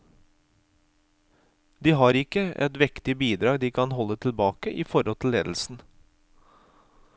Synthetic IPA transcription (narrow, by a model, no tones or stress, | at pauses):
d̪iːɦɑːɾɪkəʔɛ̰t̪ʋɪkt̪ɪbiːd̪ɾɑːɡd̪iːkʰɑnhɔlːət̪ʰɪlbɑːkəʔiːfɔɾhɔlt̪ʰɪl̩ːḛːd̪l̩sn̩